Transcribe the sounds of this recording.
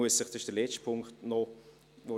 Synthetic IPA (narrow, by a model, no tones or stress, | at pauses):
uəsːəχd̥ɑɪʃd̥əlɛt͡ʃtpʰʊŋkχtnɔ | ʋo